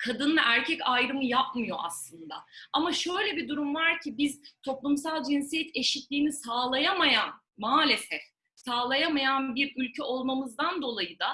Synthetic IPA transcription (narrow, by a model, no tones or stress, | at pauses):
kʰad̪ɯnɯʔæɾcʰɛcajɾɯmɯjapmɯjo̞ʔa̰slˠɯnd̪aamaʃø̞jlʲɛbid̪uɾumvaɾcʰibiz̥t̪ʰo̞plˠumsalˠd͡ʒinsijɛt̪ʰe̞ʃit̪lʲiːnisaːlˠajamajan | maːlʲesɛf | saːlˠajamajanbiɾylʲcʰɛʔo̞lˠmamɯzd̪and̪o̞lˠajɯd̪a